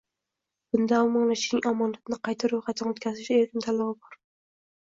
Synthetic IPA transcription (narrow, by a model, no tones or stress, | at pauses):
b̥ʊnd̪amɒŋlaʃnɪŋamɒnat̪ɪnɪqɑjt̪ʰaɾojχat̪ʰanot̪kʲʰazɪʃelkʲɪnt̪ʰalɒwɪbɒɾ